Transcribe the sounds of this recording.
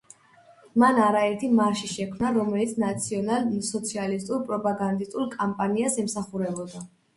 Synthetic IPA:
manaɾaɛɾt̪ʰimaɾʃiʃɛkʰmnaɾɔmɛlit̪sʰnat̪sʰiɔnalsɔt̪sʰialist̪ʼuɾpʼɾɔpʼaɡand̪ist̪ʼulkʼampʼaniasɛmsaχuɾɛbɔd̪a

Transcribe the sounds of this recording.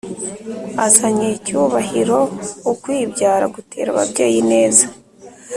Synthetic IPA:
azaɲecuːβahiɾo̞ukwiːbɟaːɾaɡutʰe̞̰ːɾa̰βa̰bɟe̞̰ːjine̞ːza

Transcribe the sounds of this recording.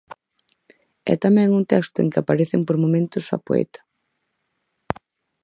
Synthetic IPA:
ɛ̰t̪amɛ̃ŋunt̪ɛkst̪ʊḛŋkɪapaɾeθɪmpoɾmõmẽnt̪ʊsa̰poḛt̪ḁ

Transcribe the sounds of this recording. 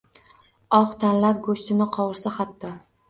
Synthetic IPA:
ɒχt̪ʰanlaɾ̚ɡoʃt̪ʰɪnɪqʰɒwɪɾsaχat̪ːɒ

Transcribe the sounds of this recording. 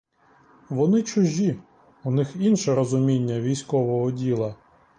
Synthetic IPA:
ʋɔnɪt͡ʃʊʒʲi | ʊnɪxinʃɛɾɔzʊmʲinʲːɐʋʲijsʲkɔʋɔɦɔdʲilˠɐ

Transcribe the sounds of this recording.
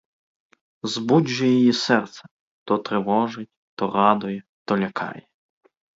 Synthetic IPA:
zbudʲʒɛjɔjisɛrt̪sɛ̥ | t̪ɔt̪ɾɪʋɔʒɪtʲt̪ɔrɑd̪ʊjɛ | t̪ɔlʲɐkʰɑ̰jɛ

